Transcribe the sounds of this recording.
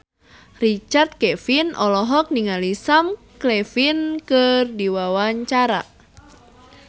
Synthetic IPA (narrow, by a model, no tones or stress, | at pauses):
rit͡ʃart̪̚kɛfinʔɔlɔɦɔk̚niŋalisam | klɛfinkɨrdiwawaɲt͡ʃaɾa̰